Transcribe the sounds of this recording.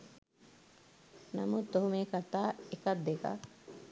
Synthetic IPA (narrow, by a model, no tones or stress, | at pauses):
namut̪ːoɦumeːkat̪aːekɐd̪ːeka̰